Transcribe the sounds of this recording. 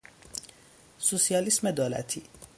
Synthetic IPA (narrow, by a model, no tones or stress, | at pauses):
susijɑlismed̪oːlæ̰t̪ʰi